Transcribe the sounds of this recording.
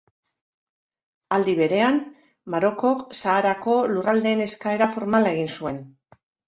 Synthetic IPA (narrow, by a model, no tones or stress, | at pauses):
ald̪iβ̞e̞ɾe̞an | maɾo̞ko̞ksaːɾako̞lurald̪e̞ːne̞skae̞ɾafo̞ɾmalae̞ɣinsue̞n